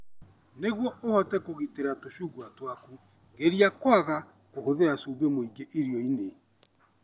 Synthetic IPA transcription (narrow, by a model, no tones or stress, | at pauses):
neɣwɔʔohɔtɛkoɣiteɾatoɕuɡwatwaku | ɡeɾiakwaɣa | kohoðeɾasuːbemoiɡeʔiɾiɔine